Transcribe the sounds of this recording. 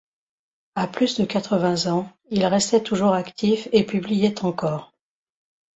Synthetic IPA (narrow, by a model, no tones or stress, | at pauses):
aplysd̪əkat̪χəvɛ̃zɑ̃ | ilʁɛst̪ɛt̪uʒuʁakt̪ifepyblijɛt̪ɑ̃kɔːʁ